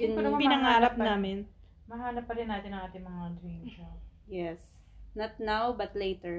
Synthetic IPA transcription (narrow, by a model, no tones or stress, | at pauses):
jʊnpɪnɐŋaːɾɐp̚naːmɪn | mɐɦaːnɐp̚ːɐɾɪnaːt̪ɪnɐŋʔaːt̪ɪŋmɐŋaʔɐnd̪ɾɛnʃɐ | jɛs | nɐt̪̚nawbɐt̪lejt̪ɛɹ